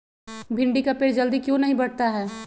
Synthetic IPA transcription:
bʱɪ̃ɳɖikapeːɾd͡ʒɐld̪ikjõnɐɦĩbɐɽ̤t̪aɦɛː

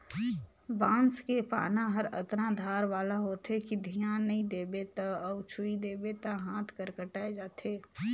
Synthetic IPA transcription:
ʋãːnskepa̰ːnaɦəɾə̰t̪nad̪ʱaːɾʋaːlaɦoːt̪ekid̪ʱijaːnːɐɦĩd̪eːbet̪aɔːt͡ʃʰʊid̪eːbet̪aɦãːt̪ʰkəɾkəʈaːed͡ʒaːt̪ʰeː

